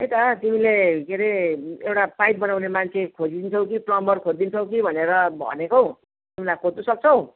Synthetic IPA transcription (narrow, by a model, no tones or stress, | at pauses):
ejt̪ʌt̪imilekʰeɾeewʈapajt̪̚bʌnawnemant͡sʰekʰod͡zid̪int͡sʰʌw̃kiprʌmbʌrkʰod͡zd̪int͡sʰʌw̃kibʱʌneɾʌbʱʌ̰nekow | t̪imilajkot̪usʌk̚t͡sʰʌw̃